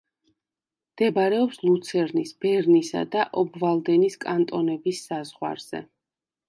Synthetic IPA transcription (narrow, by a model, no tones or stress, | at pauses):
md̪̥ɛbaɾɛɔpslˠut̪sʰɛɾnisb̥ɛɾnisa̰d̪aʔɔbvalˠd̪ɛniskʼant̪ʼɔnɛbisːazʁwa̰ɾz̥ɛ̰